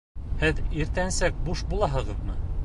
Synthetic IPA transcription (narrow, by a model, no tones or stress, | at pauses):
hɘðiɾt̪ænsæk̚buʃbulˠɑɦɤ̆ʁɤ̆ðmɤ